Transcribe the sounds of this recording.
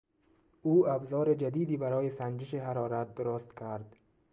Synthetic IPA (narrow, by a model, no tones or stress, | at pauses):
uːabzɒːɾed͡ʒad̪iːd̪ibaɾɒːjesand͡ʒɪʃ̬eɦaɾɒːɾat̪̚d̪ʊɾʊst̪kʰaɾd̪̥